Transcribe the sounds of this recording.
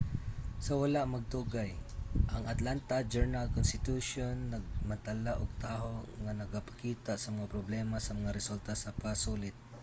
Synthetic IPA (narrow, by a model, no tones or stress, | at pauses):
sɐwalaʔmɐɡ̚t̪uɡajʔɐŋat̪lant̪ad͡ʒɛɹnalkʊnst̪ɪt̪uʃonːɐɡ̚mat̪alaʔoɡ̚t̪aːɦoŋanɐɡapḁkiːt̪aʔsɐmɐŋapɾoblɛmasɐmɐŋaɾɛsult̪asapasulɪt̪̚